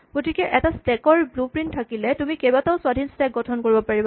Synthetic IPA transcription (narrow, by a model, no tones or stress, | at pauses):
ɡ̥otʰikɛʔɛtastɛkɔɹblupɹinttʰːakilɛtumikebataʊswadʱinstɛk̚ɡɔtʰɔnkoɹibɔpaɹiba